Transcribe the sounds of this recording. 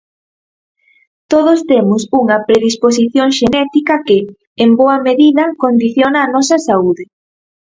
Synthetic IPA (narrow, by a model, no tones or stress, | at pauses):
t̪oðost̪emʊsuŋɐpɾeðispos̬iθjoŋʃenɛt̪ikɐkɪː | mboɐmeðiðɐkond̪iθjonɐːnɔsɐsauðɪ